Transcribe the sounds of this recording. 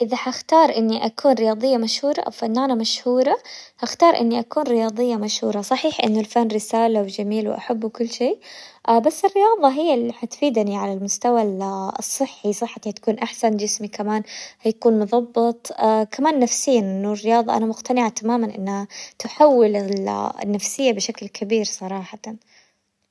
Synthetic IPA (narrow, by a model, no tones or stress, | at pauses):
ʔɪðaħaxt̪ɑːɾˤʔɪnːiʔakʰuːnɾɪjɑːd̪ˤɨjːamaʃhuːɾˤɑ̰ʔa̰wfɪnːʔanamaʃhuːɾˤɑhaxt̪ɑːɾˤʔɪ̰nːiʔakuːnɾɪjɑːðˤɨjːamaʃhuːɾˤɑsˤɑħiːħʔɪ̰nːʊlfanːɾɪsaːlawɪd͡ʒamiːlw̰ʔa̰ħabːwɪkʊlːʃeːʔabasːɪrːɪjɑːðˤɑɦɪjːɪlːħat̪fiːd̪niʕalalmʊst̪awalsˤːɨħːisˤɨħːat̪ihat̪ḁkuːnʔaħsand͡ʒɪsmikamaːnhajakuːnmʊðˤɑbːɨt̪ˤakʰamaːnːafsɪjːanʔɪnːʊrːɪjɑːðˤɑʔa̰namʊqt̪anɪʕat̪amaːmanʔɪ̰nːhat̪ʊħawːɪlɪɪ̰nːafsɪjːabɪʃaklkʰabiːɾsˤɑɾˤɑːħɑn